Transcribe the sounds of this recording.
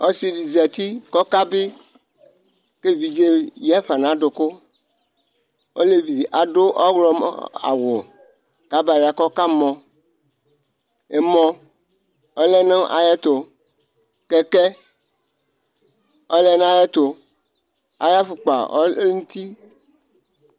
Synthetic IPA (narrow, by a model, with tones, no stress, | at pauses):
o˦si˦vi˨zɛ˨t̪i˦kɔ˦ka˦bɪ˦ | ke˦vi˨d͡ʒe˦jɛ˦ɸa˨nã˨˦ɖo˨kʊ˦ | o̰˦le˦vi˨ʔa˨ɖo˦ʔɔ˦ɡlɔ˦ma̰˨wo˨ | ka˨ba˨ja˨kɔ˦ka˦mɔ̃˨ | e˨mɔ̃˦ | ɔ˦lɛ˦nẽ˦ʔa̰˨je˦t̪o˨ | kɛ˦kɛ˦ | ɔ˦lɛ˦nã˦je˦t̪o˨ | a̰˨ja˦fu˨k͡pa̰˨ɔ̰˦ŋũ˦t̪i˦